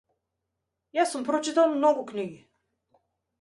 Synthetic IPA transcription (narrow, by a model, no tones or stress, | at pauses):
jasumpɾɔt͡ʃit̪alˠmnɔɡukniɡi